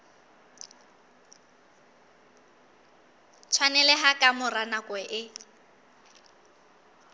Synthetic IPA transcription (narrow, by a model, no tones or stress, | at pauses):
t͡sʰwanɛlɛɦakʼamʊranakʼwɛʔɪ